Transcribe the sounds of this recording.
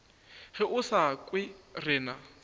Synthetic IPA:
ɣɪʔʊsakʼwɪrɪːna

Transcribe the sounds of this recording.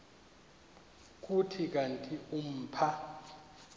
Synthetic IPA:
k̬ʼutʰik̬ʼantʼium̩ːpʰa

